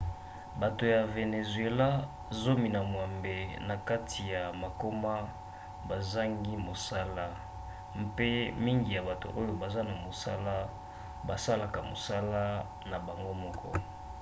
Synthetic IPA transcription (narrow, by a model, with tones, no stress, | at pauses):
ba˨to˨ja˨ve˨ne˨zwe˨la˦ | zo˦mi˨na˨mwa˨mbe˨na˨ka˦tʰi˨ja˨ma˨ko˦ma˦ | ba˨za˦ŋɡi˦mo˨sa˦la˦ | mpe˦mi˦ŋɡi˨ja˨ba˨to̰˨ʔo˦jo˦ba˨za˦na˨mo˨sa̰˦la˦ | ba˨sa˦la˨ka˨mo̰˨sa˦la˦ | na˨ba˨ŋɡo˦mɔ˦kʰɔ̰˦